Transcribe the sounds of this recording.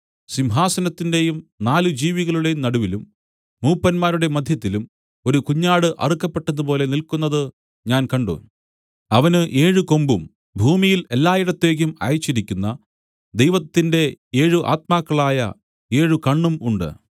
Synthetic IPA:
simɦaːsɐnɐt̪ːinde̞jumnaːlɨd͡ʑiːʋiɣɐɭuɽe̞jumnɐɽuʋilumː | uːpːɐnmaːɾuɽe̞mɐd̪ʱjɐt̪ːilum | o̞ɾukuɲːaːɽɨʔɐ̰rikːɐpːe̞ʈːɐnːupo̞ːle̞nilkunːɐðɨ | ɲaːnkɐɳɖo̰ːn | ɐʋɐnɨʔe̞ːɻuko̞mbum | bʱuːmijile̞lːaːjiɽɐt̪ːe̞ːk̬ʲːumɐ̰ːjt͡ɕːiɾikʲːunːɐ | d̪ejʋɐt̪ːinde̞e̞ːɻuʔa̰ːt̪̚maːkːɐɭaːjɐ̰ | e̞ːɻukɐɳːumuɳɖɨ̰

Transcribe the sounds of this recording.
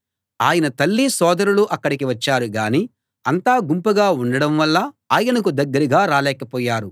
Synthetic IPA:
aːjɐnɐt̪ɐlːisɔːd̪ɐɾuluʔɐkːɐɽikiʋɐt͡ʃːaːɾuɡaːni | ɐnt̪aːɡumpɐɡaːuɳɖɐɽɐmʋɐlːɐ | aːjɐnɐkud̪ɐɡːɐɾiɡaːɾaːlɛːkɐpɔːjaːɾu

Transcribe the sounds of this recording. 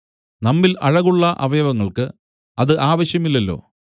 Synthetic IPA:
nɐmːilɐɻɐɣuɭːɐʔɐ̰ʋɐjɐʋɐŋːɐɭkɨ | ɐðɨʔaːʋɐɕjɐmilːɐlːo̞̰ː

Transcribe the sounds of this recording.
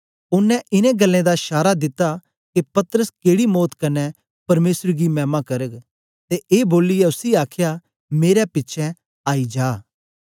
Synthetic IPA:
ʊnːɛ̃ʔɪnẽɡɐlːẽd̪aʃaːɾad̪ɪt̪ːa | kepɐt̪əɾəskeːɽimɔːt̪kɐnɛ | pɐɾmeːsɾɡimɛːmakɐɾəɡ | t̪eʔeːboːlɪjɛʊsiaːkʰja | meːɾɛpɪtːʃʰɛ̃ | aːid͡ʒaː

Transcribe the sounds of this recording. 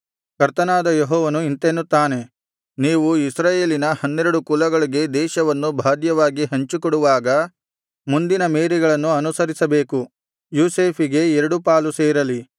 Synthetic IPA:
kɐɾt̪ɐnaːd̪ɐjɔɦɔːʋɐnuint̪enːut̪ːaːne̞ | niːʋuisɾaːjeːlinɐhɐnːeɾɐɽukulɐɡɐɭiɡe̞d̪ɛːʃɐʋɐnːubʱaːd̪jɐʋaːɡiɦɐɲt͡ʃikɔɽuʋaːɡɐ | mund̪inɐmeːɾiɡɐɭɐnːuɐnusɐɾisɐbe̞ːku | juːse̞ːpʰiɡe̞ɛɾɐɽupaːluseːɾɐli

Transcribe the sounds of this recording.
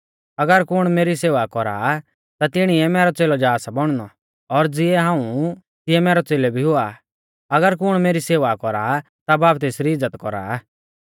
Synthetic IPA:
ɐɡəɾkʊɽ̃meːɾiseːʋakɔɾa̰ | t̪at̪ɪɽ̃iɛmɛːɾɔt͡seːlɔd͡ʒaːsabɔɽ̃nɔ | ɔɾd͡zɪɛɦãːũ | t̪ɪɛmɛːɾɔt͡seːlɛbʱiɦʊa̰ | ɐɡəɾkʊɽ̃meːɾiseːʋakɔɾa̰ | t̪abaːpt̪̬eːsɾiɪd͡zːət̪kɔɾa̰

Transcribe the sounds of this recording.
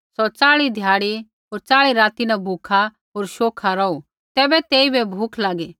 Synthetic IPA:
sɔt͡saːɭid̪ʱjaːɽi | ɦoːɾt͡saːɭiɾaːt̪inɛbʱuːkʰa | ɦoːɾʃoːkʰaɾɔu | t̪ɛːbɛt̪eːibɛbʱuːkʰlaːɡe

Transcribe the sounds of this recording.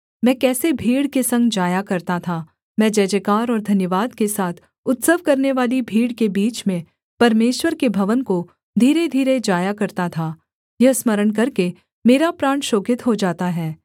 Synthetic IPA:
mɛ̃ːkɛːsebʱiːɽkesɐ̃ŋɡd͡ʒaːjakɐɾt̪at̪ʰaː | mɛ̃ːd͡ʒɛːd͡ʒəkaːɾɔːɾd̪ʱɐnjəʋaːd̪kesaːt̪ʰ | ʊt̪səʋkɐɾneʋaːlibʱiːɽkebiːt͡ʃmẽ | pɐɾmeːʃwəɾkebʱɐʋənko | d̪ʱiːɾed̪ʱiːɾed͡ʒaːjakɐɾt̪at̪ʰaː | jɐɦsməɾəɳk̬ɐɾke | meːɾapɾaːɳʃoːkɪt̪ɦod͡ʒaːt̪aɦɛː

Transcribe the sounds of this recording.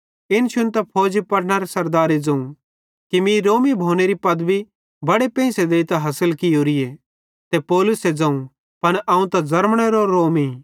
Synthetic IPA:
ɪnʃʊnt̪ɐpʰoːd͡ʒipɐɽnaɾesɐɾd̪aːɾed͡zɐ̃ũ | kimĩɾoːmibʱoːneɾipɐd̪bi | bɐɽepɛ̃ːsed̪eːit̪aɦɐsəlkɪjoːɾie | t̪epɔːlʊsed͡zɐ̃ːũ | pɐnʔɐ̃ːũt̪ɐd͡zɐɾmɽ̃eɾoɾoːmi

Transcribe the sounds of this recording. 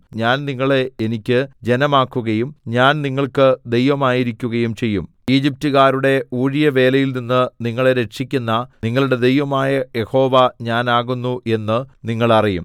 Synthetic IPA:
ɲaːnniŋːɐɭeenikʲːɨd͡ʑe̞nɐmaːkːuɣɐjumɲaːnniŋːɐɭkɨd̪e̞jʋɐmaːjiɾikʲːuɣɐjumt͡ɕe̞jːum | iːd͡ʑip̚tuɣaːɾuɽe̞uːɻijɐʋe̞ːlɐjilninːɨniŋːɐɭe̞ɾe̞ʂikʲːunːɐniŋːɐɭuɽe̞d̪e̞jʋɐmaːjɐje̞ho̞ːʋɐɲaːnaːɣunːuʔe̞nːɨniŋːɐɭɐrijum

